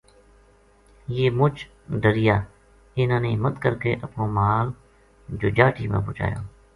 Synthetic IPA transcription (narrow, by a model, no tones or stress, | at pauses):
jeːmʊt͡ʃ | ɖəɾɪjaː | ɪnãːnemət̪kəɾkeːʔəpnõːmaːl | d͡ʒoːd͡ʒaːʈiːmḛ̃ːbʊːt͡ʃa̰ːjo̰ː